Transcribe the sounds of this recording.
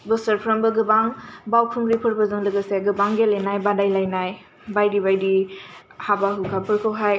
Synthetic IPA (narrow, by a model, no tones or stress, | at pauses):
bɯsəɾpʰɾambɯɡɯbaŋbawpʰumɾipʰɯɾbɯzɯŋlɯɡɯseɡɯbaŋɡelejnajbadajlajnaj | bajdibajdi | habaɦukʰapʰɯɾkʰɯwɦaj